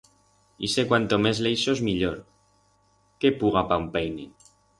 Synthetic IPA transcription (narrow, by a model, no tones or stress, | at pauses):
isekwant̪omezlejʃozmiʎoɾ | kepuɣapampejne